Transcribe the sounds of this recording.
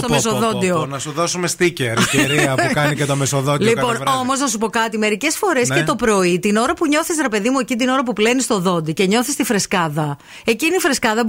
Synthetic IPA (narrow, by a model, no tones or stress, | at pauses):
st̪omes̬oðo̞d̪ionɐsuðosumest̪iceɾeɾiɐkɐnicet̪omesoðollikɐpo̞nvo̞mo̞znɐs̬upo̞kɐt̪ime̞ɾice̞sfo̞ɾe̞s̬ke̞t̪opɾo̞it̪ino̞ɾɐpuɲo̞θisɾepe̞ðimue̞cind̪ino̞ɾɐpuple̞nist̪o̞ðo̞nd̪ice̞ɲo̞θist̪ifɾe̞skɐðɐ | e̞cinifɾe̞skɐðɐ